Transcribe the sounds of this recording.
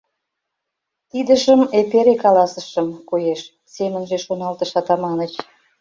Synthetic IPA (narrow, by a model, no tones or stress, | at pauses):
t̪id̪əʒəmepeɾekɑlɑsəʃəmkojeʃ | semənʒeʃonɑlt̪əʃɑt̪ɑmɑnət͡ɕ